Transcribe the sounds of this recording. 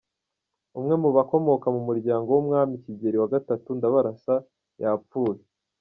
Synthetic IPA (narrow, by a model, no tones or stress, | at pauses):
umŋe̞muβako̞mo̞kamumuɾɟaːŋɡo̞wumŋaːmiciɟe̞ɾiwaɡatatundaβaɾasa | japp͡fuːje